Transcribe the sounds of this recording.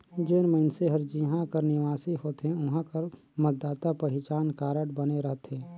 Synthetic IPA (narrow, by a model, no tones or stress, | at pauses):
d͡ʒeːnməɪnseɦɐɾd͡ʒiɦãkɐɾnɪʋaːsihoːt̪ɦẽʊɦãkəɾ | mət̪̚d̪aːt̪apəɦɪt͡ʃaːnkaːɾəɽbɐneɾɐɦt̪ẽː